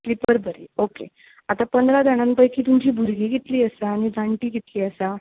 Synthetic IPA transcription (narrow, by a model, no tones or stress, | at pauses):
klipəɾbʱəɾḭːokḛ | at̪apənd̪ɾad̪aɽ̃ãnpəjkiːt̪umd͡ʑiːbʱuɾɡiːɡit̪liːəsaːɽ̃id͡zʱãɳʈiːɡit̪liːəsa